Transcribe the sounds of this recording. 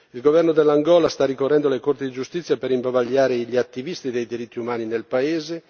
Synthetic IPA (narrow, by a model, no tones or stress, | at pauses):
ilɡovɛrnod̪elːaŋɡɔːlast̪arikorːɛnd̪olekort̪id̪id͡ʒust̪it̪sːjapeɾimbavaʎːaːɾeʎiat̪ːivist̪id̪ejd̪iɾit̪ːiumaːninelpaeːze